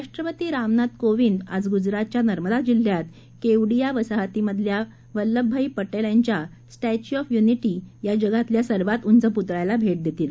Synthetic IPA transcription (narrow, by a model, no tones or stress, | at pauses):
ɾaʂʈɾəpət̪iːɾamnad̪koʋiːnd̪ad͡zɡud͡zɾat̪̚t͡ɕjanəɾməd̪ad͡ʑil̤jat̪ | keʋɽijaʋəsaɦat̪iməd̪ʱja | ʋəlːəbʱːəipəʈelaɲt͡ɕja | sʈɛt͡ɕuɔfjuniʈijad͡ʑəɡat̪ljasəɾʋat̪unt͡səput̪ɭajlabʱeʈ̚d̪et̪iːl